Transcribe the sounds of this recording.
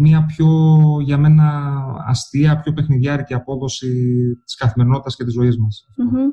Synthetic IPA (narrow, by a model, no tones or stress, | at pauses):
miɐpço̞ʝɐme̞nɐɐ̰st̪iɐpço̞pe̞xniðɐɾiciɐpo̞ðo̞sit̪i̥skɐθimeɾino̞t̪it̪ɐsce̞t̪izo̞izmɐsɐft̪o